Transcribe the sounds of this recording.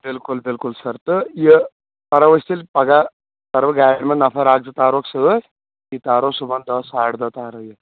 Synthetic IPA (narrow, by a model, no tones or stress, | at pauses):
bɪlkulbɪlkulsɐɾt̪ɨjə | pɐɾɐʋɐst̪ilpɐɡa | t̪ɐɾʋɐɡaːjɐɽmɐnnːɐfʰɐɾaːɡ̚d͡zɨt̪aːɾoksɐd̪o | it̪aːɾosubɐnd̪ɐsaːɽd̪ɐt̪aːɾɐjɐ